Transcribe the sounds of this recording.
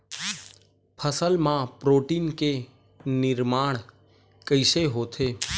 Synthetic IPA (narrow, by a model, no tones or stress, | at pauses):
pʰəsəlmãpɾoːʈiːnke | nɪɾmaːɳ̃ | kəɪʃeɦot̪ʰeː